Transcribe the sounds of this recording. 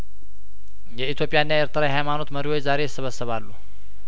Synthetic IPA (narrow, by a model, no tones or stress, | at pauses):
jɛit̪ʰjo̞pʼijanːaeɾt̪ʰəɾajɦajmano̞t̪məɾiwo̞t͡ʃːzaɾe̞jɪsːəβəsəβalːu